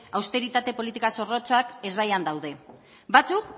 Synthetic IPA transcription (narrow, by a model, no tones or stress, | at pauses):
awst̪e̞ɾit̪at̪e̞po̞lit̪ikaso̞ro̞t͡sake̞zβajand̪awðe̞ | bat͡suk